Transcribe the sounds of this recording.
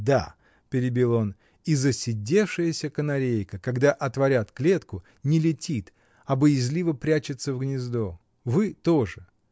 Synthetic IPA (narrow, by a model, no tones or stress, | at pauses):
d̪a̰ | pʲɪɾʲɪbʲilˠo̞n | izəsʲɪdʲe̞fʂɨjəsʲəkənɐɾʲejkəkɐɡd̪aʔɐt̪vɐɾʲat̪klʲe̞t̪kʊ | nʲɪlʲɪtʲit̪ | ɐbəjɪzʲlʲivəpɾʲæt͡ɕɪt̪səvɡnʲɪzd̪o | vɨt̪oʐɨ